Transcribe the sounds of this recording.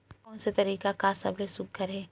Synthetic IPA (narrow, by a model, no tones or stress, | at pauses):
kɔːnset̪ɐɾiːkakasɐ̰blesʊk̚ɡʱɐɾẽː